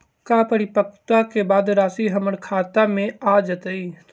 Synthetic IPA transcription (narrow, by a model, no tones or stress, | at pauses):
kaːpəɾɪpək̚t̪akebaːd̪ɾaːsiɦəməɽkʰaːt̪amẽaːd͡ʒət̪əi